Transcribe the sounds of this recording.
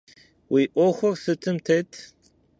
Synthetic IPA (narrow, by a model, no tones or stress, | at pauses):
wʔiʔʷɔxʷɔrsɨtʰɨmtʰejtʰ